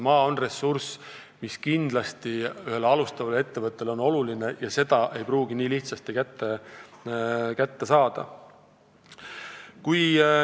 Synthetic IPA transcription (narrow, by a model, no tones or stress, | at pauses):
mɑːo̞nre̞sːurs | miskind̪̥lɑst̪iyhe̞lɑlust̪ɑvɑle̞t̪ːe̞vɤt̪ˑːe̞lo̞no̞luline̞jɑse̞d̪̥ɑʔe̞jpruːɡ̥iniːliht̪sɑst̪ikæt̪ːe | kæt̪ːe̞sɑːd̪̥ɑ̰ | kuj